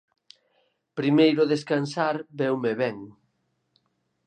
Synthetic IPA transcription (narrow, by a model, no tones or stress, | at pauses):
pɾimejɾʊðeskansaɾbɛwmeβɛŋ